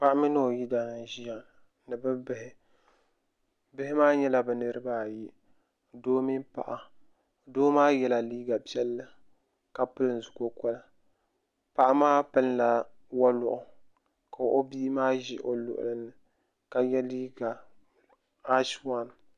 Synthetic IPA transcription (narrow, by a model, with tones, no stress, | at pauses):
pa˦ʔa˦mi˦nɨ˦o˨ji˦da˨na˨ʒi˦ja˨n˨ | nɨ˨bɨ˦bɪ˦hɪ˦ | bɪ˦hɪ˦maː˦ɲɛ˦la˨bɨ˨nɨ˦ɾɨ˦ba˦˨ji˦˨ | doː˦mi˦mpa̰˨ʔa˨ | doː˦maː˦jɛ˦la˨liː˦ɡa˨pi˦ɛ˦lːɨ˦ | ka˨pɨ˦lɨ˨n˨zʊ˨ko˦kɔ˦la˨ | pa˨ʔa˦maː˦pɨ˦lla˦ | wa˦lʊ˨ʔʊ˨ | ka˨ʔo˦bi˦maː˦ʒi˦ʔo˨lʊ̰˨ʔʊ̰˨lɨ˦nːɨ˨ | ka˨jɛ˦liː˦ɡa˨ | a˦ʃwa˦n˨